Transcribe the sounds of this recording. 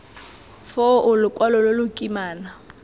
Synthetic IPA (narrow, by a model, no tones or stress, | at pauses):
fɔʊlʊkʼwalɔlolʊkʼimaːna